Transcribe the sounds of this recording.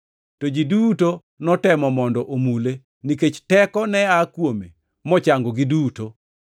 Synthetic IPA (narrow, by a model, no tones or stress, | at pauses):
tod͡ʒiduto | nɔtɛmɔmɔndɔʔomule | niket͡ʃtɛkɔnɛakwome | mɔt͡ʃaŋɡoɡɪduto